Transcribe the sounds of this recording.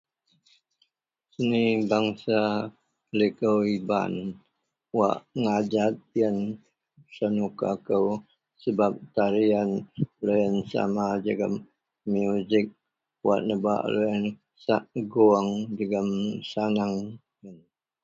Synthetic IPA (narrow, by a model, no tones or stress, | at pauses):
sənibaŋsa | likəwiba̰n | wa̰ʔŋad͡ʒat̪̚jən | sanukakəw | səbap̚t̪aɾianləjənsa̰mad͡ʒaɡa̰m | mːjuzɪk̚ | wa̰ʔnəba̰ʔlʔəjən | saʔɡuaŋd͡ʒəɡəmsanaŋ | jən